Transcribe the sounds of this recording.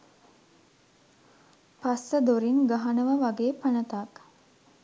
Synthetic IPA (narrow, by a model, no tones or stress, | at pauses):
pasəd̪oɾiŋɡaɦanəʋəʋaɡeːpanət̪ak